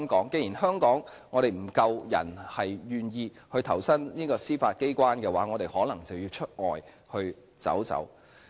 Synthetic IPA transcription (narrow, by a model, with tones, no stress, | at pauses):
ŋkɔː˨˥ŋke˧ji˨˩nhœː˥ŋkɔː˨˥ŋ | ŋɔː˨˧ɾe˨˩jm̩˨˩kɐ˧wjɐ̰˨˩nhɐ˨jɥyː˨njiː˧ | hɵ˧ɥt̪ʰɐ˨˩wsɐ˥nniː˥kɔː˧siː˥faː˧t̚ke˥jkʷwaː˥nkɛː˧waː˨˥ŋɔː˨˧t̪e˨jhɔː˨˥lɐ˨˩ŋt͡sɐ˨wjiː˧wt͡ʃʰɵ˥t̚ŋɔː˨˩j | hɵ˧ɥ | t͡sɐ̰˨˥wt͡sɐ̰˨˥w